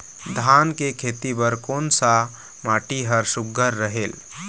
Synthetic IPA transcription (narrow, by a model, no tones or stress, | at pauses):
d̪ʱankekʰet̪ibəɾkonsa | maʈiɦəɾsuɡʱəɾːəɦel